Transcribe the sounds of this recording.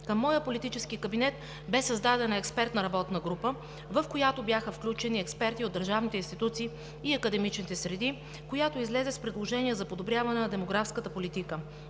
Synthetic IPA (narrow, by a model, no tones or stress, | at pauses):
kəmːɔjəpolit̪it͡ʃɛskikɐbinɛt̪ | bɛsɐzd̪ad̪ɛnɛkspɛɾt̪nɐɾɐbɔt̪nəɡɾupə | vəfkojat̪objaxəfklʲut͡ʃɛniɛkspɛɾt̪iod̪ːəɾʒavnit̪ɛinst̪it̪ut̪siː | ɐkəd̪ɛmit͡ʃnit̪ɛsɾɛd̪i | kojat̪oizlɛzɛspɾɛd̪lˠoʒɛniɛzɐpod̪obɾʲjavɐnɛnɐd̪ɛmoɡɾafskət̪əpolit̪ikə